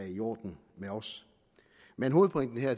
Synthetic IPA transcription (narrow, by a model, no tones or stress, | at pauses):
ijo̰ːd̥n̩ | meɒ̽s | menɦo̝ːð̩ˠpʰoʁeŋ̰d̥n̩ɦeɐ̰t͡sʰ